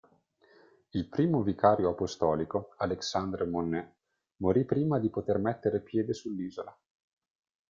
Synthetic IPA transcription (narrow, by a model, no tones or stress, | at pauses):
ilpɾiːmovikaːɾjoapost̪ɔːlikoaleksand̪ɾemonːɛ | moɾipːɾiːmad̪ipot̪ermɛt̪ːeɾepjɛːd̪esulːiːzola